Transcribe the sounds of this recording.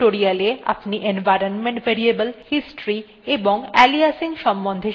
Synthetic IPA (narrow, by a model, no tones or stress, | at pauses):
ʈoɾialea̰pniʔenvajɾonmeɳʈbeɾiebəlhisʈɾi | eboŋɛliasiŋʃɔmbond̪ʱe